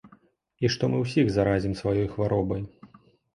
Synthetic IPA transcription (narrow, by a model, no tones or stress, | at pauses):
iʂt̪ɔmɨwsʲiɣzaɾazʲimsvajɔjxvaɾɔbɐj